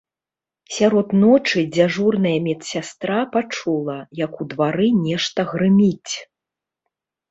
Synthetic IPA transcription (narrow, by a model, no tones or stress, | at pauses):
sʲaɾɔt̪nɔt͡ʂɨd͡zʲaʐurnɐjɐmʲɛt̪ssʲast̪ɾapat͡ʂulˠɐjɐkud̪vaɾɨnʲɛʂt̪ɐɣɾɨmʲit͡sʲ